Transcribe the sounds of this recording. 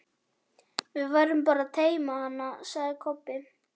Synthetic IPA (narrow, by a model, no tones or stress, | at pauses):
vɪðvajɾʏmpaːɾaðt̪ʰeːjmahanːasaɣðɪkʰɔpːɪ